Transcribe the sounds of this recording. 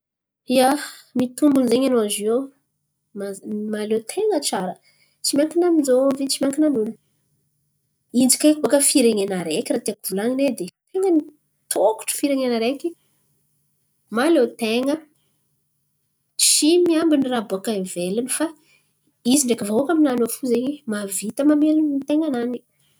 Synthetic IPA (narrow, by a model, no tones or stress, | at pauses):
iamit̪umbunzeɲanoazew | mamalet̪ʰeŋət͡ʃaɾə | t͡simaŋkinaminzovit͡ʃimʲaŋkinamun | ind͡ʒi̥kʲakbokəfiɾeŋenaɾekʲiɾat̪iakuvulaŋined̪et̪eŋəni | t̪ʰoku̥ʈ͡ʂə̥fiɾeŋenaɾeki | malet̪eŋə | t͡ʃimiambiniraboakanvelinifa | iziɳɖ͡ʐekəvaakaminanofuzeɲimavit̪əmamelunnit̪eŋanani